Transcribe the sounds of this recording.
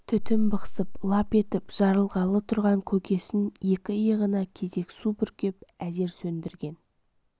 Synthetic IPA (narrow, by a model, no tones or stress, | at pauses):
t̪ʰʏt̪ɪmbəqsəplˠɑpe̞t̪ɪpʒ̥ɑɾəlˠʁɑlˠət̪ʰʊɾʁɑŋkʲʰɵkʲe̞sɪnje̞kʲɪjəʁənɑkʲʰe̞ze̞ksubʏɾkʲe̞pæze̞ɾsɵnd̪ɪɾɡʲe̞n